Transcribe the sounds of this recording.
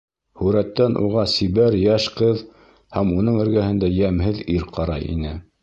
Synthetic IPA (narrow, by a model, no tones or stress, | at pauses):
hʉɾæt̪ːænʔṵʁɑsiβæɾjæʃqɤð | hæmunɤɴɘ̆ɾɡæhɘ̆nd̪æjæmɦɘðiɾqɑɾɑ̰jḭnɘ